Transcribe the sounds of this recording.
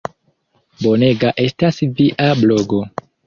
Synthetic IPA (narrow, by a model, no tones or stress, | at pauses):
bo̞ne̞ɡaʔe̞stasviʔablo̞ɡo̞